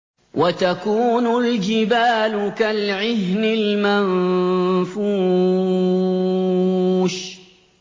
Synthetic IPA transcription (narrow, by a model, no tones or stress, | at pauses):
wʔat̪akuːnʊld͡ʒɪbaːlʊkalʕɪhnɪlman | fuː | ʃ